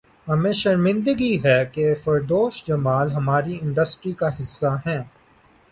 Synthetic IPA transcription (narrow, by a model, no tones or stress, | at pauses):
ɦɐmẽʃɐɾmɪ̃nd̪əɡiɦɛkefɐɾd̪oːʃd͡ʒɐmaːlɦɐmaːɾiɪ̃ɳɖəsʈɾikaɦɪsːaɦɛ̃ː